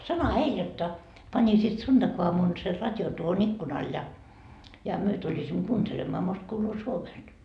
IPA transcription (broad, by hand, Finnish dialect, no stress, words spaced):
sɑnohɑ heil jotːɑ pɑnʲisiːt sund̥ɑkuɑmun ser rɑtʲjon tuohon ikːunɑːl jɑ jɑ myø tulʲisimːo kuːntelemːɑː most kuːluː suomest